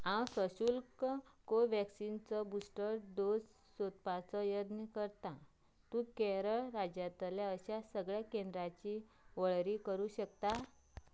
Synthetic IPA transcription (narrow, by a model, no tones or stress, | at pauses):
ãwsəɕuːlkkoʋɛksint͡sɔbusʈəɾd̪os | sot̪̚pat͡sɔjəd̪nikəɾt̪a | t̪ũkɛɾəɭɾad͡ʑjat̪ljaəɕasəɡɭjakẽnd̪ɾat͡ɕi | ʋəɭɾiːkəɾuːɕəkt̪a